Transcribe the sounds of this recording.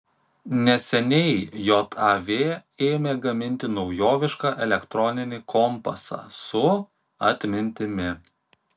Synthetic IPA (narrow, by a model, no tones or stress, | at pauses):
nʲɛsʲɛnʲɛɪjot̪ʰɐʋʲeː | eːmʲeːɡɐmʲɪnʲt̪ʲɪnɒʊjoːʋʲɪʃkɑʔɛlʲɛkt̪ɾɔnʲɪnʲɪkʰɔmpɐsɑ̰ːsʊ | ɐt̪ʲmʲɪnʲt̪ʲɪmʲɪ